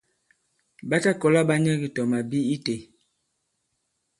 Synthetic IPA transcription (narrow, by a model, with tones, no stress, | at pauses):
ba˦ta˦kɔ˨la˦ba˦ɲɛ˦ɡi˨tɔ˨ma˨bi˦i˦te˨